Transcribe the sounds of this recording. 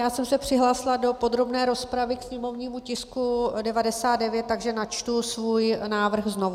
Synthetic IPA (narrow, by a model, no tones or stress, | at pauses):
jaːsɛmsɛpr̝̥ɪɦlaːsɪladopo̞d̪ɾo̞bnɛːɾo̞spɾavɪksɲɛmo̞vɲiːmucɪskudɛvadɛsaːd̪dɛvjɛt̪ːaɡʒɛnat͡ʃt̪usvuːjnaːvr̩xzno̞v